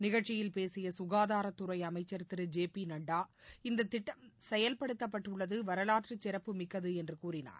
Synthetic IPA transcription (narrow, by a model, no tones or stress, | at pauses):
nɪɣɐɻt͡ʃːɪjɪlpeːsɪjɐsʊɣaːðaːɾɐt̪ːʊɾɐɪɐmɐɪt͡ʃːɐɾt̪ːɪɾɯd͡ʒeːpinɐɳɖaːɪnd̪ɐt̪ːɪʈːɐmsɛjɐlpɐɽɯt̪ːɐpːɐʈːɯɭːɐðɯʋɐɾɐlaːʈrɯt͡ʃːɪɾɐpːɯmɪkːɐðɯɛndrɯkuːrɪna̰ːɾ